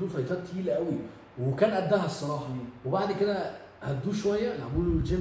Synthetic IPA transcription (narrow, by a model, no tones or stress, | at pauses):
d̪uːfæjt̪æːt̪ːhiːlæʔæwi | wekæːnʔæd̪ːæɦæsˤːɑɾˤɑːħɑwebaʕd̪ked̪æ | hæt̪d̪uːʃowæjːælʔɡuːlld͡ʒem